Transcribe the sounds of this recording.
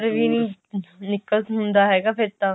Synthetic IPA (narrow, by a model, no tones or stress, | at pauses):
ɾʋinĩnɪkəltɦʊ̃nd̪aːɦɛːɡaːpʰɪɾt̪ã